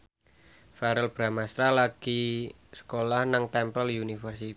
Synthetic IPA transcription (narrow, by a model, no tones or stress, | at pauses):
faɾəlb̥ɾamast̪ɾalaɡ̥i | sə̥kolahnaŋt̪ɛmpəliunifərsit̪i